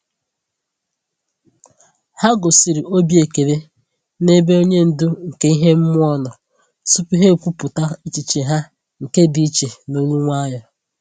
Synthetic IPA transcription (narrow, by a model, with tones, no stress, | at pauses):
ha˦ɡʊ˨si˨ɾi˨o˦bi˦e˨ke˨ɾe˦ | ne˦be˦o˦ɲe˦n̩˨dʊ˦ŋ̩˨ke˦i˦ɦe˦m̩˦mʊ˦ɔ˦nɔ˨ | su˦pi˦ɦe˦u˨kʷu˦pʊ˨ta˦i˦t͡ʃi˨t͡ʃe˨ɦa˦ | ŋ̩˨ke˦dɪ˨i˦t͡ʃe˨no˦ɲu˦ŋʷa˦jɔ˨